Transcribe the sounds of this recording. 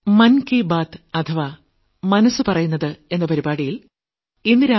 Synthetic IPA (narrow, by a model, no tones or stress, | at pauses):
mɐnkibaːt̪ɨɐt̪ʰɐʋaː | mɐnɐsːɨpɐrɐjunːɐðɨe̞nːɐpɐɾibaːɽijil | inːɨɾa